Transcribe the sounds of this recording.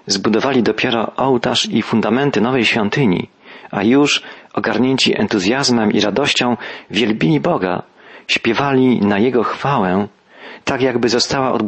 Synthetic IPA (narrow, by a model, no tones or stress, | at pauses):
zbud̪ɔvalʲid̪ɔpʲjɛɾɔʔɔwt̪aʂifund̪amɛnt̪ɘnɔvɛjɕfʲjɔnt̪ɘɲḭ | ajuʂɔɡaɾɲeɲt͡ɕiʔɛ̰nt̪uzʲjazmɛmiɾad̪ɔɕt͡ɕɔ̃w̃vʲjɛlbʲilʲibɔɡa̰ | ɕpʲjɛvalʲinajɛɡɔxfawɛ | t̪akjaɡbɘzɔst̪awaʔɔ̰d̪